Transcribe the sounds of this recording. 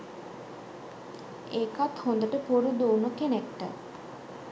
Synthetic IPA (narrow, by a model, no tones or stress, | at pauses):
ekat̪hond̪əʈəpoɾud̪ownokenek̚ʈə̰